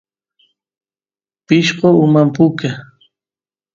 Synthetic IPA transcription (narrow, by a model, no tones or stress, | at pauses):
pɪʃqoʊmampʊka